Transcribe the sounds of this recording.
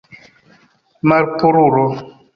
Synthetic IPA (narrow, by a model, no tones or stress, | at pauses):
maɾpuɾuɾɔ